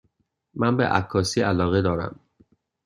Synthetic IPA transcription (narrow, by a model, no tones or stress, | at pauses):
mænbḛʔækʰːɒːsiːʔælɒːɣed̪ɒːɾæ̰m